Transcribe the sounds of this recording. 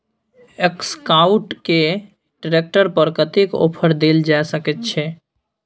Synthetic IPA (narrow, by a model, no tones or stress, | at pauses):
ekskaʊʈke | ɖɾek̚ʈəɾpəɾkət̪eko̰ːpʰəɾd̪eld͡ʒasəkət̪t͡ʃʰɛ